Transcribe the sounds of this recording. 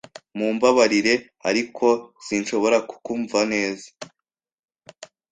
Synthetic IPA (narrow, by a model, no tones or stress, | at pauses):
muːmbaβaɾiɾe̞ | a̰ɾikʰo̞z̥inʃo̞βo̞ɾaku̥kuɱvane̞ːzḁ